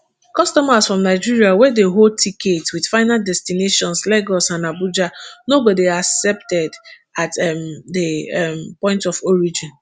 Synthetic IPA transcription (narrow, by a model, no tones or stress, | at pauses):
kɔstɔmasfɹɔ̃mnaɪd͡ʒiɹiawɛdeɦoltʰiketwid̥faɪnaldɛstineʃɔ̃nslɛɡɔsãnabud͡ʒanoɡodeaksɛp̚tɛd | atɛmdempɔ̃ɪ̃ntɔfɔɹid͡ʒĩn